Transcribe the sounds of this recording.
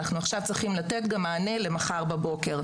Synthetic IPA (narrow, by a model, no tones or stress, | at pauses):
naχnuaχʃavt͡sʁiχimlat̪e̞t̪ɡamːaːne̞le̞maχaʁbabo̞ke̞ʁ